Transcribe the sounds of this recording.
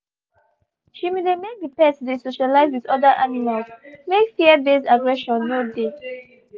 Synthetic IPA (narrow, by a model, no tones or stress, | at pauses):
ʃimelemek̚bipɛsdesoʃalaɪzwiðɔdaʔanimalsmekfiəbesaɡɹɛʃɔ̃nːode